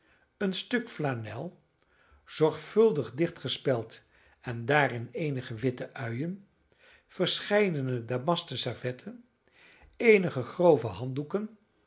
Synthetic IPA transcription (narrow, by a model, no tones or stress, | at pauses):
ənstɵkflanɛ̰lˠ | z̥ɔɹχfɵlˠdəχdɪχtχəspɛlˠt | ɛndaːɾɪnejnəχəʋɪtəʔœɥən | v̥əɹsχɛjdənədaːmɑstəsavɛtʰən | ejnəχəχrowvəɦɑndukən